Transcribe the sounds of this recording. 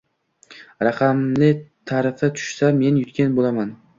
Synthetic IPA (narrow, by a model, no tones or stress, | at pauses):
ɾɑqʰɑmlɪt̪ʰaɾɪfɪt̪ʰʊ̥ʃsame̞njʊt̪kʲʰanbolaman